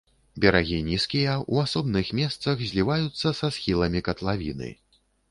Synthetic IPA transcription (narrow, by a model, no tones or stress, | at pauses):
bʲɛɾaɣʲinʲiskʲijɐuasɔbnɨxmʲɛst̪sɐxzʲlʲivajut̪sːɐsasxʲilˠɐmʲikɐt̪lˠavʲinɨ̰